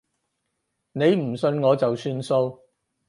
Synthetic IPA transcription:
ne˨˧jm̩˨˩sɵ˧nŋɔː˨˧t͡sɐ˨wsyː˥nso˧w

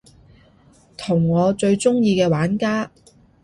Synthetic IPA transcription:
t̪ʰʊ˨˩ŋːɔː˨˧t͡ʃɵ˧ɥt͡sʊ˥ŋjiː˧kɛː˧waː˨˥nkaː˥

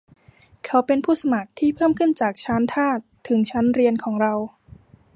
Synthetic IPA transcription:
kʰa˦˥wpe˧npʰuː˥˩sa˧ma˨˩k̚t̪ʰiː˥˩pʰɤː˥˩mkʰɯ˥˩nt͡ɕaː˨˩k̚t͡ɕʰa˦˥nt̪ʰaː˥˩t̪ʰːɯ˩˦ŋt͡ɕʰa˦˥nɾi˧ənkʰɔː˩˦ŋɾa˧w

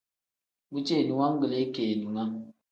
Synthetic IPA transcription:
bu˦t͡ʃe˦˨nu˨ŋa˦ŋ˦ɡə˨le˨˦ke˨nu˨ŋa˦ŋ

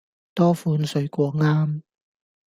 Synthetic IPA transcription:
t̪ɔː˥fuː˨˧nsɵ˨˧ɥkʷɔː˧ŋaː˥m

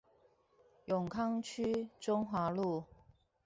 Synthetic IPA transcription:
jʊ˨˩ŋkʰɑ˥ŋt͡ɕʰy˥ʈ͡ʂʊ˥ŋxwa˧˥lu˥˩

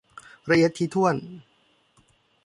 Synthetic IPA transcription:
ɾa˧ʔi˧˦ət̪ʰːiː˧t̪ʰu˥˩ən

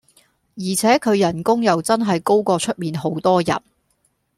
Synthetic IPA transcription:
jiː˨˩t͡sʰɛː˨˥kʰɵ˨˧ɥjɐ˨˩nkʊ˥ŋjɐ˨wt͡sɐ˥nɦɐ˨jko˥wkɔː˧t͡ʃʰɵ˥t̚miː˨nɦo˨˥wt̪ɔː˥jɐ̰˨˩n

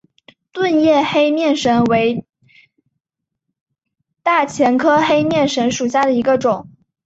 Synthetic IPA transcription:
t̪wə˥˧njɛ˥˩xe˥ɪmjɛ˥˩nʂə˧˥nwe˧˥ɪ | t̪a˥˩t͡ɕʰjɛ˧˥nkʰɤ˥xe˥ɪmjɛ˥˩nʂə˧˥nʂu˨˩ɕja˥˩d̪ə˩i˧˥ɡə˧ʈ͡ʂʊ˨˩˦ŋ

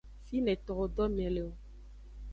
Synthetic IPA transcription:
fi˦nɛ̃˨t̪ɔ˨ɣɔ˨dɔ˦mɛ̃˨le˨o˨

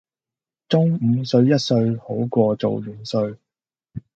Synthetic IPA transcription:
t͡sʊ˥ŋm̩˨˧sɵ˧ɥjɐ˥t̚sɵ˧ɥho˨˥wkʷɔː˧t͡so˨wjyː˨˩nsɵ˧ɥ

